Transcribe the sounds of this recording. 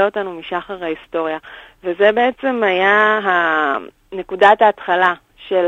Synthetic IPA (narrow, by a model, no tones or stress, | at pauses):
eo̞tanumiʃaχaʁhaisto̞ʁjavezebe̞et͡se̞majaɦa | ne̞kudataːtχala | ʃel